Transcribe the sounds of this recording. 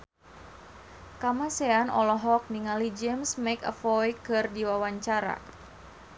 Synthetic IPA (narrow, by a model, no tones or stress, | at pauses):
kamasɛanɔ̰lɔɦɔk̚niŋalid͡ʒɛmsmɛkə̰fɔjkɨrdiwawaɲt͡ʃaɾa̰